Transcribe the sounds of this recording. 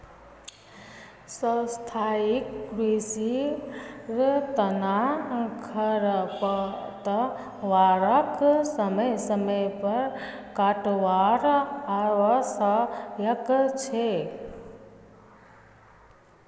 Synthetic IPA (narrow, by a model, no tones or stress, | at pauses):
sə̃st̪ʰaːikːɾisi | ɾt̪ənakʰəɾpət̪ə | ʋaːɾəksəməjsəməjpɐɾ | kaːʈʋaːɾaʋəsəjəkt͡ʃʰe